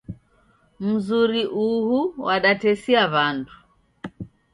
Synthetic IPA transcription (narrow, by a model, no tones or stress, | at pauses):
m̩zuɾiʔuhuwaɗatɛsiaβandu